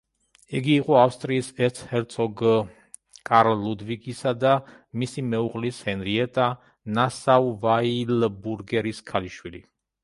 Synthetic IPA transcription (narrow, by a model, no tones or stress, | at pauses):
iɡiːqʼɔafst̪ʼɾiːsɛɾt̪ʰhɛɾt̪sʰɔɡ | kʼaɾlud̪vikʼisad̪a | misimɛuʁlishɛnɾiɛt̪ʼa | nasavvailbuɾɡɛɾiskʰaliʃwilḭ